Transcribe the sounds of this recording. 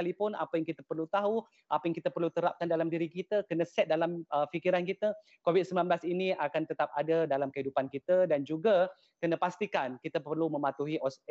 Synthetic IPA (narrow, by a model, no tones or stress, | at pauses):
alipʊna̰pajaŋkit̪əpərlut̪aɦu | ʔapajaŋkit̪əpərlut̪əɾap̚kandalamdiɾikit̪əkənəsɛt̪̚dalaməfikiɾankit̪ə | kovit̪̚səmbilanblasiniakant̪ət̪ap̚adadalamkəɦidupankit̪ədand͡ʒuɡa | kənəpast̪ikankit̪əpərlumə̃mat̪uɦiʔɔs